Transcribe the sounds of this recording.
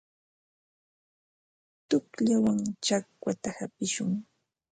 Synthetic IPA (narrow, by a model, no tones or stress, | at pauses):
t̪ʊkʎawaŋt͡ʃakwat̪ahapɪʃʊŋ